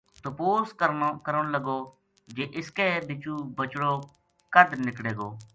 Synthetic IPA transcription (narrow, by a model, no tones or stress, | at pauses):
t̪oːpoːskəɾkəɾəɽ̃ləɡoː | d͡ʒeːʔɪskeːbɪt͡ʃuːbət͡ʃɽoː | kəɖnɪkɽeːɡoː